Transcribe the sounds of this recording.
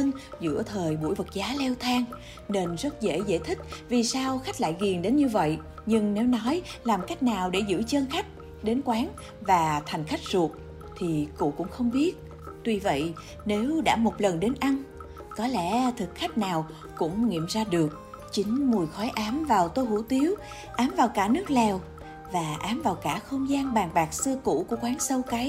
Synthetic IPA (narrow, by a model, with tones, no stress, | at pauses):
nzɨ̰˧˥ət̪ʰəː˨˩jɓṵ˧˩jvə˨˩t̚zaː˨˦lɛ˧wt̪ʰaː˧ŋ | ne˧nzə˦˥t̚zḛ˧˥jzḛː˧˥jt̪ʰï˦˥k̟̚vi˨˩saː˧wxa˦˥k̟̚la̰ː˧˨jɣi˨˩əŋɗe˨˦nɲɨ˧və̰˧˨j | ɲɨ˧ŋne˨˦wnɔ˨˦jlaː˨˩mka˦˥jk̟̚naː˨˩wɗe˧˩zɨ̰˧˥t͡ɕə˧nxa˦˥k̟̚ | ɗe˨˦nkwaː˨˦n | vaː˨˩t̪ʰa˨˩jŋ̟xa˦˥jk̟̚zu˨˩ək̚ | t̪ʰi˨˩kṵ˧˥kʊ̰˧˥ŋ͡mxə˧wŋ͡mɓi˦˥ət̚ | t̪wi˧və̰˧˨j | ne˨˦wɗa̰ː˧˥mo˨˩t̚lə˨˩nɗe˨˦nʔa˧n | kɔ˨˦lɛ̰˧˥t̪ʰɨ˨˩k̚xa˦˥jk̟̚naː˨˩w | kʊ̰˧˥ŋ͡mŋḭ˧˨əmzaː˧ɗɨ˨˩ək̚ | t͡ɕï˨˦ŋ̟mu˨˩jxɔ˨˦jʔaː˨˦mvaː˨˩wt̪o˧jɦṵ˧˥t̪i˨˦əw | ʔaː˨˦mvaː˨˩wkaː˧˩nɨ˦˥ək̚lɛ˨˩w | vaː˨˩ʔaː˨˦mvaː˨˩wkaː˧˩xə˧wŋ͡mzaː˧nɓaː˨˩ŋɓaː˨˩k̚sɨ˧əkṵ˧˥ku˧˩əkwaː˨˦ŋsə˧wka˨˦j